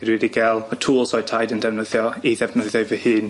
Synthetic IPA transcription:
ɾwidiɡɛlˠmətʰuːlˠsɔɨtʰajdəndɛvnəðjɔiðɛvnəðjɔɨvəhɨːn

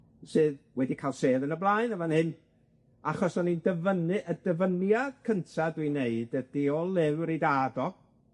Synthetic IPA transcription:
sɨːðwɛdikʰaːlˠseːðənəblˠaɨnəmanhɨn | aχɔsɔnindəvənɨʔədəvənjad̥kʰəntʰadwineɨdəd̥iɔlˠɪwɾidaːdɔ

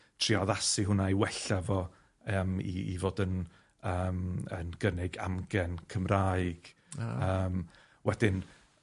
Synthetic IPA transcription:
tʰriɔðasiɦʊnaiwɛɬavɔ | əmḭːvoːdən | əːmə̰nɡ̥ənɪɡa̰mɡɛnkʰəmrajɡ̥ | əːm | wɛdɪn

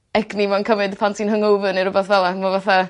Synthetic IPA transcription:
ɛɡnimankʰəvɨdpʰantʰinhəŋowvəniɾʊbɛθvɛlˠamavaθa

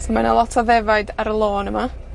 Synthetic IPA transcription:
somanalˠɔtʰɔðɛvajdaɾəlˠoːnəma

